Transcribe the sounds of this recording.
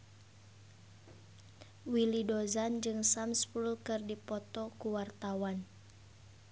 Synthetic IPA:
wilidozand͡ʒɨŋsamspulkɨrdipɔt̪ɔkuwart̪awan

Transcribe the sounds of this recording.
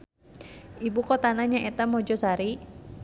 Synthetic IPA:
ʔibukɔt̪anaɲaʔet̪amɔd͡ʒɔsaɾi

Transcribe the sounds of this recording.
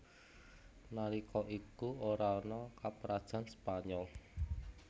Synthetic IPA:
naɾikɔʔikuoɾaɔnɔkapəɾad̥ʒ̥a̤nspaɲɔl

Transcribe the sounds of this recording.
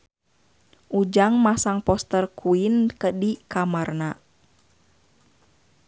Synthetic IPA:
ʔud͡ʒaŋmasaŋpɔst̪ərkʰuinkədikamarna

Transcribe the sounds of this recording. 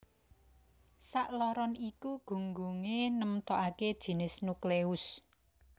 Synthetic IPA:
saʔlɔɾɔnikuɡ̥ṳŋɡuŋenəmt̪ɔʔaked̥ʒ̥i̤nɪsnukleʊs

